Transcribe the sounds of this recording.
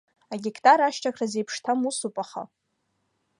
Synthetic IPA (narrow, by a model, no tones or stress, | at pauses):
aɡʲikʰʼtʼaɾaʃt͡ʃʰakʰrazejpʰʂtʰamusupʼaχa̰